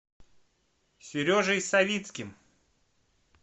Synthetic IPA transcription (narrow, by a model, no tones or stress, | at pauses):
sʲʏɾʲoʐɨjsɐvʲit̪skʲɪm